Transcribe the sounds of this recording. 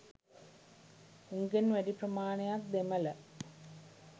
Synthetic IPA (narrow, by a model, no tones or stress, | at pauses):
uŋɡenʋæɖiprɐmaːnɐjak̚d̪emɐlɐ